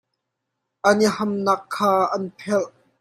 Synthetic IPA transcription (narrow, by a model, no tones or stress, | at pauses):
ʔɐnihɐmnɐkʰːaːʔɐnpʰɛlʔ